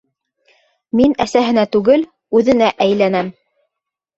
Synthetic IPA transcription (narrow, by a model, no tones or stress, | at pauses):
minæsæɦɘ̆næt̪ʉɡɘl | ʉðɘ̆næʔæjlænæm